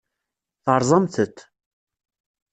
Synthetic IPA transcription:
θəɾˤzˤɑmθət̪ː

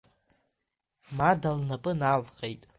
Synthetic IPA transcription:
madalnapʼɨnalqʼejtʼ

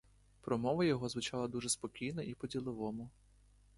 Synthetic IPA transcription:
pɾɔmɔʋɐjɔɦɔzʋʊt͡ʃɑlˠɐd̪uʒɛspɔkʲijnɔipɔdʲilˠɪʋɔmʊ

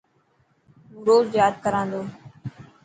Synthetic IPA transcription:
buɾoːzjaːd̪̚kəɾãːnd̪oː

